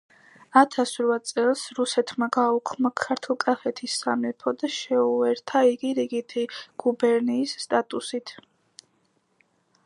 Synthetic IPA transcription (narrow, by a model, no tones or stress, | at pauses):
at̪ʰasɾvat̪sʼɛlˠsɾusɛt̪ʰmaɡaukʰmakʰaɾt̪ʰulˠkʼafɛt̪ʰisːamɛpʰɔd̪aʃɛuɛɾt̪ʰaiɡiɾiɡit̪ʰiɡ̥ubɛɾniːsːt̪ʼat̪ʼusit̪ʰ